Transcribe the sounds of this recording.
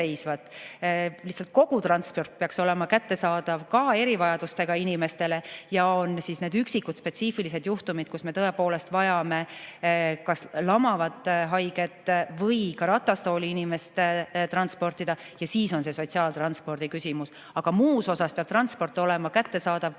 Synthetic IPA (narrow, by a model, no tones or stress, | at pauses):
ejsvɑt̪ˑ | lihsːɑlt̪̚ko̞ɡ̥ut̪ɾɑnspo̞rt̪̚peɑkso̞le̞mɑkæt̪ːe̞sɑːd̪̥ɑvkɑe̞ɾivɑjɑd̪ust̪e̞ɡ̥ɑinime̞st̪e̞le̞jɑonsisne̞ːd̪yksikːut̪spe̞t̪sifilise̞d̪juht̪umid̪̥̚kusme̞t̪ɤe̞po̞ːle̞st̪vɑjɑme̞ | kɑslɑmɑvɑt̪ˑːɦɑjɡe̞t̪ːˑvɤjkɑɾɑt̪ːˑɑst̪o̞ːliinime̞st̪t̪rɑnspo̞rt̪id̪̥ɑ | jɑsiːso̞nse̞so̞t̪siɑːlt̪rɑnspo̞rd̪̥ikysʲimus | ɑɡ̥ɑmuːso̞sɑspeɑ̥t̪rɾɑnspo̞rt̪ːˑo̞lɛ̞mɑkæt̪ːe̞sɑːd̪̥ɑv